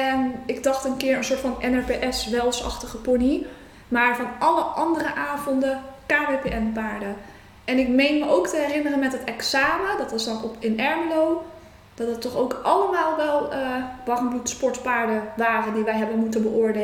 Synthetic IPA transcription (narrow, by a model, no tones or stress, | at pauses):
ɛnɪɡ̚dɑχtənkɪːɹənsʊːtfɑnɛnɛɹpeʔɛsʋɛlˠsɑ̰χtəχəponi | maːɹvɑnʔɑləʔɑndərəʔaːvɔndəkaːbepeɛnpaːɹdə | ʔɛnɪkmejnməʔowktəɦɛrɪnərənmɛtɦətɛksaːmədɑtɪsdɔɔpɪnɛɹmlow | d̥ɑtɦətːɔχowkʔɑləmaːlˠʋɛlˠəʋɑχənblutspɔɹtpaːɹdəʋaːrəndiʋɛjɦɛbənmutənbəʔʊːɹde